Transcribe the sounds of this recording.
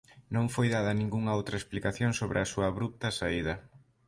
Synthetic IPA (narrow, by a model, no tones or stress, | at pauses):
nõŋfojðaðɐnĩŋɡuŋɐowt̪ɾɐesplikaθjoŋsoβɾɪɐsuɐːβɾup̚t̪ɐsaiðɐ